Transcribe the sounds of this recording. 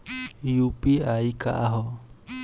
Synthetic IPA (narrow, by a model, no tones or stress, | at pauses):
iupiaika̰ʔaɦɔ